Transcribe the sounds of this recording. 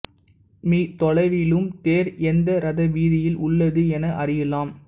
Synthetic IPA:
miːt̪ɔɭɐɪʋɪlɯmt̪eːɾɛnd̪ɐɾɐðɐʋiːðɪjɪlʔʊɭːɐðɯɛnɐʔɐrɪjɐlaːm

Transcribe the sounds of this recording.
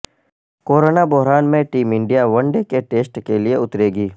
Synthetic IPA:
koːɾoːnabɔɦɾaːnmẽʈiːmɪ̃ɳɖijaʋɐ̃ɳɖekeʈeːsʈkelieʊt̪ɾeːɡiː

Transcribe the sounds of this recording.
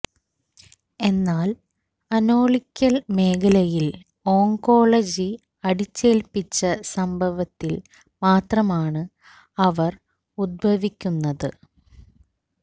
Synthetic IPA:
e̞nːaːl | ɐno̞ːɭikʲːɐlme̞ːkʰɐlɐjil | o̞ːŋko̞ːɭɐd͡ʑi | ɐɽit͡ɕːe̞ːlpːit͡ɕːɐsɐmbʱɐʋɐt̪ːil | maːt̪rɐmaːɳɨ | ɐʋɐr | ud̪̚bʱɐʋikʲːunːɐðɨ̰

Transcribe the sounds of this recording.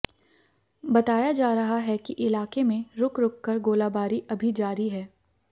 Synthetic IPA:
bɐt̪aːjad͡ʒaːɾɐɦaɦɛkiʔɪlaːkemẽɾʊkɾʊkːəɾɡoːlaːbaːɾiʔɐbʱid͡ʒaːɾiɦɛː

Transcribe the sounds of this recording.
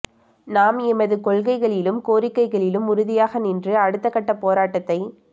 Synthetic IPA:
naːmɛmɐðɯkɔɭɣɐɪɣɐɭɪlɯmkoːɾɪkːɐɪɣɐɭɪlɯmʊɾʊðɪjaːɣɐnɪndrɯɐɽɯt̪ːɐkːɐʈːɐpoːɾaːʈːɐt̪ːɐɪ

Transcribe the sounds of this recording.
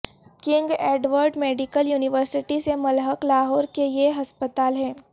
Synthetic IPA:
kɪ̃ŋɡeːɖʋəɾɖmeːɖɪkəljuːnɪʋəɾsɪʈisemɐlɦəklaːɦɔːɾkejeɦɐspət̪aːlɦɛ̃ː

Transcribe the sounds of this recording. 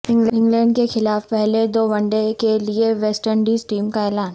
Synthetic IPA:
ɪ̃ŋɡlɪ̃ŋɡlɛ̃ːɳɖ̚kexɪlaːfpɛɦled̪oːbɐ̃ɳɖekelieʋɛːsʈəɳɖiːzʈiːmkaɛːlaːn

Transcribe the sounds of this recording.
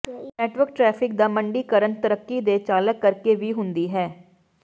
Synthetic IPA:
nɛːʈʋəɾk̚ʈɾɛːpʰɪk̚d̪aːməɳɖiːkəɾənt̪əɾəkːiːd̪eːt͡ʃaːləkːəɾkeːʋiːɦʊnd̪iːɦɛː

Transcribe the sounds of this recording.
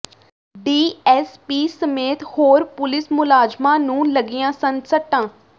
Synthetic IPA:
ɖiːɛːspiːsəmeːt̪hoːɾpʊlɪsmʊlaːd͡ʒmãːnũːləɡijãːsənsəʈːãː

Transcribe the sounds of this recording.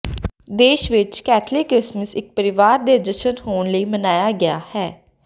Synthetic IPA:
d̪eːʃʋɪt͡ʃkɛːt̪ʰlɪkɾɪsməsɪk̚pəɾɪʋaːɾd̪eːd͡ʒəʃənhoːnləiːmənaːjaːɡɪaːhɛː

